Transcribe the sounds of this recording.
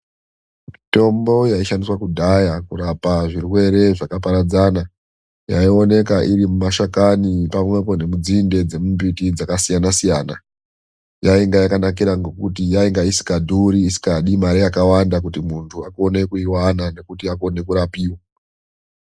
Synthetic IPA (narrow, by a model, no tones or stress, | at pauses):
mito̞mbo̞jaiʃandiswakudʱajakuɾapaʐirwe̞ɾe̞ʐakapaɾad͡zaːna | jaio̞ne̞kaʔirimumaʃakanipamwe̞po̞ne̞mud͡zinde̞d͡ze̞mumbitid͡zakasijanasijaːna̰ | jaiŋɡajakanak̬iɾaŋɡo̞kutijaiŋɡaisi̥kadʱuɾiːsi̥kaɗimaɾijakawandak̬utimuntʰuako̞ne̞kuiwanane̞kutiako̞ne̞kuɾapiːwa